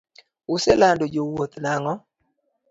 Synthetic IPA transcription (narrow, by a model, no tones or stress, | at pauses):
ʊsɛlandod͡ʒowot̪naŋɔ